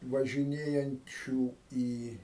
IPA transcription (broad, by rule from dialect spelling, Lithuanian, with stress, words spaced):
ʋɐʒʲɪˈnʲeːjɛnʲt͡ʃʲuː ˈiː